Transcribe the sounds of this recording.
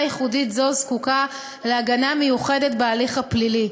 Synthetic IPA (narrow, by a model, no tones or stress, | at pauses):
jeχuditzozkuka | leaɡaname̞juχe̞detbealiχaplili